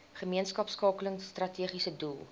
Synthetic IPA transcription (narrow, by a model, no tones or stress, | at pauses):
χəmiənskɐpskɑːkələŋstrɐtʰiəχisədulˠ